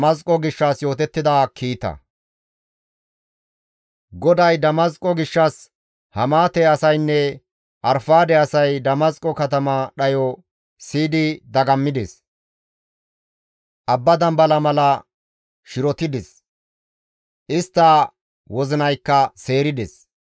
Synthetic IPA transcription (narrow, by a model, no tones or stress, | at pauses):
mɐskʼɔɡɪʃːɐsjo̞ːt̪ɛt̪ːɪd̪aːkʰiːt̪ɐ̰ | ɡɔd̪ɐjd̪ɐmɐskʼɔɡɪʃːɐs | hɐmaːt̪ɛɐsɐjnːɛ | ʔɐɾfaːd̪ɛɐsɐjd̪ɐmɐskʼːɔkɐt̪ɐmɐɗɐjɔ | siːd̪ɪd̪ɐɡɐmːɪd̪ɛs | ʔɐbːɐd̪ɐmbɐlɐmɐlɐ | ʃɪɾɔt̪ɪd̪ɛs | ʔɪst̪ːɐ | wɔzɪnɐjkːɐse̞ːɾɪd̪ɛs